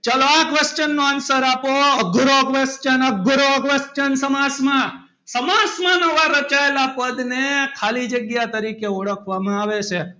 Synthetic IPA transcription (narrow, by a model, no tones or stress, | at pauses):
t͡ʃaloakʋest͡ʃənːoansəɾapoəɡɾokʋest͡ʃənəɡɾokʋest͡ʃənsəmasmã | səmasmãnəʋaɾət͡ʃaelapəd̪nekʰalid͡ʒəɡjat̪əɾikeɔɽəkʰʋamãaʋet͡ʃʰe